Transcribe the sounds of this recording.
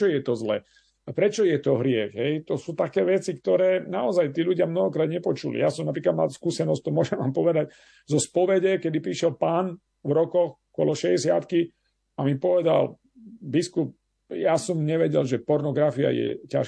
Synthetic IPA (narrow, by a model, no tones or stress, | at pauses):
ɔjɛt̪ɔzlɛ̰ː | pɾɛt͡ʃɔjɛt̪ɔɦɾɪɛɣɦɛjt̪ɔsuːt̪akɛːʋɛt͡sikt̪ɔɾɛːnaɔzajt̪iːʎuɟɪamnɔɦɔkɾaːd̪ɲɛpɔt͡ʃulḭjasɔmnapɾiːklad̪ma̰lskuːsɛnɔst̪ɔmʊɔʒɛmʋaːmpɔʋɛd̪aɟ | zɔspɔʋɛɟɛkɛd̪ipɾiːʃɛlpaːn | vɾɔkɔxkʊɔ̰lɔʃɛɟɛsɪat̪ki | amipɔʋɛd̪a̰l | biskup̚ | jasɔmɲɛʋɛɟɛlʒɛpɔɾnɔɡɾafia̰jɛ̰ca̰ʃ